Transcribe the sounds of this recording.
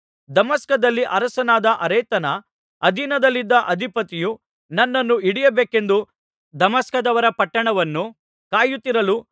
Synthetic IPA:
d̪ɐmɐskɐd̪ɐlːiʔɐɾɐsɐnaːd̪ɐʔɐɾɐjt̪ɐnɐː | d̪ʱinɐd̪ɐlːid̪ːɐʔɐd̪ʱipɐt̪iju | nɐnːɐnːuiɽijɐbeːke̞nd̪u | d̪ɐmɐskɐd̪ɐʋɐɾɐpɐʈːɐɳɐʋɐnːu | kaːjut̪ːiɾɐlu

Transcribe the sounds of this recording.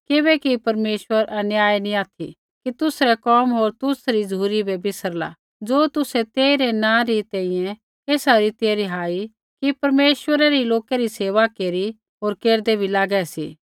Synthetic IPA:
kɪbɛkipɐɾmeːʃwəɾɐnjaːjnĩaːt̪ʰḭ | kit̪ʊsɾɛkɔːmɦoːɾt̪ʊsɾid͡zuːɾibɛbɪsəɾla̰ | d͡zoːt̪ʊsɛt̪eːiɾenãːɾit̪ɛ̃ĩjɛ̃ | eːsaɾit̪jjeɾiɦaːi | kipɐɾmeːʃwəɾaɾiloːkeɾiseːʋakeːɾi | ɦoːɾkeːɾd̪ebʱilaːɡɛsḭː

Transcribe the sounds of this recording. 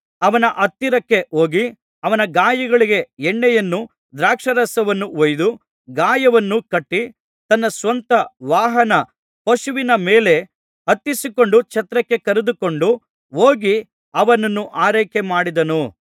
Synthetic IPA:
ɐʋɐnɐʔɐt̪ːiɾɐkːe̞o̞ːɡi | ɐʋɐnɐɡaːjɐɡɐɭiɡe̞ɛɳːɛjɐnːu | d̪ɾaːkʂɐɾɐsɐʋɐnːuojd̪u | ɡaːjɐʋɐnːukɐʈːi | t̪ɐnːɐsʋɐnt̪ɐʋaːɦɐnɐ | pɐʃuʋinɐmeːle̞ | ɐt̪ːisiko̞ɳɖut͡ʃɐt̪ɾɐkːe̞kɐɾed̪uko̞ɳɖu | oːɡi | ɐʋɐnɐnːuʔaːɾɐjkemaːɽid̪ɐnu

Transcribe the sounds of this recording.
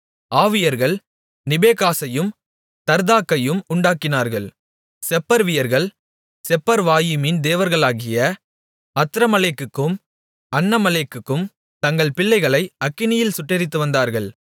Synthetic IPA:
aːʋɪjɐɾɣɐɭ | nɪbeːkaːsɐjɯm | t̪ɐɾðaːkːɐjɯmʊɳɖaːkːɪnaːɾɣɐɭ | sɛpːɐɾʋɪjɐɾɣɐɭ | sɛpːɐɾʋaːjɯmɪnd̪eːʋɐɾɣɐɭaːɣɪjɐ | ɐt̪ːɪɾɐmɐleːkːɯkːɯm | ɐnːɐmɐleːkːɯkːɯm | t̪ɐŋɡɐɭpɪɭːɐɪɣɐɭɐɪɐkːɪnɪjɪlsʊʈːɪɾɪt̪ːɯʋɐnd̪aːɾɣɐɭ

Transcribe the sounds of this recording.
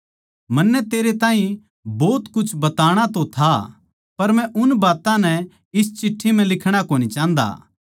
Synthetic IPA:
mɐnːɛt̪eːɾet̪ãːĩ | bɔːt̪kʊt͡ʃʰbɐt̪aːɽ̃at̪ot̪ʰa | pɐɾmɛ̃ʔʊnbaːt̪ãnɛ | ɪst͡ʃɪʈʰːimɛ̃lɪkʰɽ̃akoːnit͡ʃãːnd̪a̰ː

